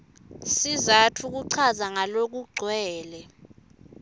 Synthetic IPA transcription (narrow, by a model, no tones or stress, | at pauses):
sizatʰuk̬uǀʰazaŋalok̬uɡ͡ǀʱwɛːlɛ